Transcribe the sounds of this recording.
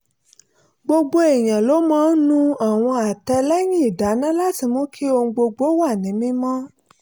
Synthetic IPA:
ɡ͡bo˧ɡ͡bo˧e˨j̃ã˨lo˨˦mɔ̃˦n̩˦nũ˦a˨w̃ɔ̃˧a˨tɛ˧lɛ˦jĩ˦i˦˨da˨˦nã˦la˦ti˨˧˨mɔ̃˨˦kʰi˦o˧ŋ̩̃˧ɡ͡bo˧ɡ͡bo˨˦wa˦˨nĩ˨˦mĩ˦mɔ̃˦

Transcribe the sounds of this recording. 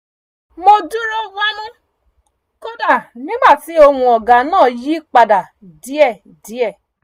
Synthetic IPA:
mo˧du˦ɾɔ˦wa˦nũ˦ | ko˦da˦˨nĩ˦ɡ͡ba˦˨ti˨˦o˧hũ˧ɔ˨ɡa˨˦nãː˦˨ji˨˦k͡pa˧da˨ | di˨˦ɛ˦˨ | di˨˦ɛ˦˨

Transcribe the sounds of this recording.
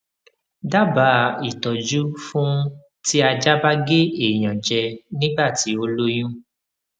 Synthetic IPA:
da˦ba˨˦i˨tɔ˨d͡ʒu˦fũ˦ | ti˦a˧d͡ʒa˦ba˦ɡe˦e˦˨j̃ã˨d͡ʒɛ˧nĩ˦ɡ͡ba˦˨ti˨˦o˧lo˦j̃ũ˦

